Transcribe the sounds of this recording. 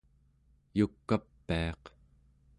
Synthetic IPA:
jukːapːiɑq

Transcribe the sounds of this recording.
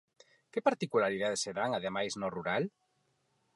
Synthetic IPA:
kepaɾt̪ikulaɾiðaðeseðaŋaðemajznoruɾal

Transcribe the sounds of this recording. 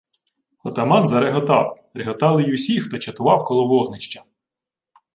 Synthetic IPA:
xɔt̪ɐmɑnzɐɾeɦɔt̪ɑ̰w | ɾeɦɔt̪ɑlˠɪjʊsʲixt̪ɔt͡ʃɐt̪ʊʋɑwkɔlˠɔʋɔɦnɪʃt͡ʃɐ

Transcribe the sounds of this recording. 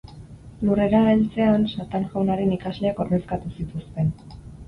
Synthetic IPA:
lure̞ɾaelt͡se̞ansat̪aŋʝawnaɾe̞nikazle̞ako̞ɾme̞skat̪usit̪ust̪e̞n

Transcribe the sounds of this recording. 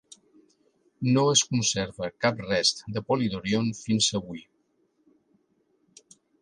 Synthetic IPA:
noəskunseɾβəkap̚rɛst̪d̪əpoliðoɾionfinzəβuj

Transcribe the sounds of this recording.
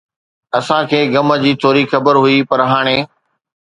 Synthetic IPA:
ɐsãkʰeːɡɐməd͡ʑiːt̪ʰoːɾiːkxɐbəɾɦʊipɐɾɦaːɽ̃eː

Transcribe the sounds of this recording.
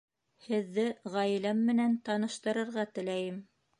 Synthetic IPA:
hɘ̆ðːɘʁɑj̆læmːɘ̆nænt̪ɑnɤ̆ʃt̪ɤ̆ɾɤ̆ɾʁɑt̪ɘ̆læjɘm

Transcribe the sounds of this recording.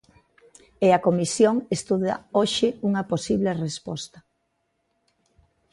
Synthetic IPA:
eɐkomisjoŋest̪uðɐ̰oʃɪuŋɐposiβlerespɔ̰st̪ɐ

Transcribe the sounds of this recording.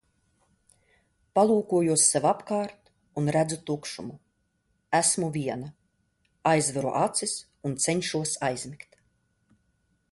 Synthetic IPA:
palˠuːkuɔjuɔsːɛvapkaːɾt̪ | unɾæd̪zut̪ukʃumu | æsmuvʲiɛna | ajzvaɾṵʔat̪sis | unt̪sɛɲʃuɔsajzmikt̪

